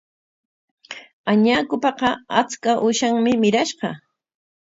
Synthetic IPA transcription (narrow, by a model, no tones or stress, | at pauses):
aɲaːkʊpɑqɑa̰t͡skaʔʊʃaŋmɪmɪɾaʃɢɑ